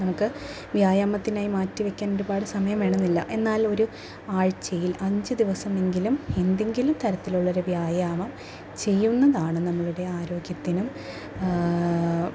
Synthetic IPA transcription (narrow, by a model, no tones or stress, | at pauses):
nɐmukːɨ | ʋjaːjaːmɐt̪ːinaːjimaːtːiʋɐkʲːaːnoɾubaːɽɨsɐmɐjɐmʋe̞ːɳɐnːilːɐ̰ʔe̞nːaːlo̞ɾu | aːɻt͡ɕːɐjilɐɲd͡ʑɨd̪iʋɐsɐme̞ŋɡilume̞nd̪e̞ŋɡilumt̪ʰɐɾɐt̪ːiluɭːɐɾuʋjaːjaːmɐm | t͡ɕe̞jːunːɐðaːɳɨnɐmːɐɭuɽe̞aːɾo̞ːɡjɐt̪ːinum